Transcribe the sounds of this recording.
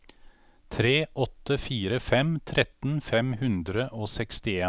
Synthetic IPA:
t̪ʰɾeːʔɔt̪ːəfiːɾəfɛmt̪ʰɾɛt̪n̩fɛmhʉnd̪ɾəʔoːsɛkst̪ɪeː

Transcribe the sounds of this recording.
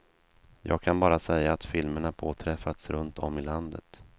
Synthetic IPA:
jɑ̰ːɡ̚kʰanbɑːɾasɛjːaːt̪fɪlməɳapʰoːt̪ʰɾɛfat̪sɾɵnt̪ʰɔmːɪland̪ə̰t̪

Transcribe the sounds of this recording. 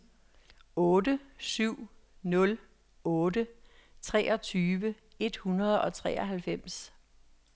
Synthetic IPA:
ɔ̽ːdəsyʊ̰nɔ̽l | ɔːdət͡sʰʁɛ̰ːɒ̽t͡sʰyːʋə | e̝d̥hunɐð̞ˠɒ̽t͡sʰʁɛ̰ːɒɦælfem̰s

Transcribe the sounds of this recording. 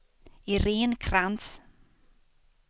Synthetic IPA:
iɾeːnkʰɾans

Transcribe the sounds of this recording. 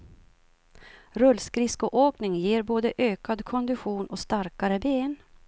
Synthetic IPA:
ɾɵlskɾɪskʊʔoːknɪŋjeːɾboːd̪əʔøːkad̪kʰɔnd̪ɪɧuːnɔst̪aɾkaɾəbeːn

